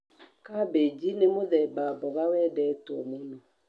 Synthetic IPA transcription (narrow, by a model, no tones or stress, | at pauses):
kabed͡ʒinemoðɛbabɔɣawɛdɛtɔmono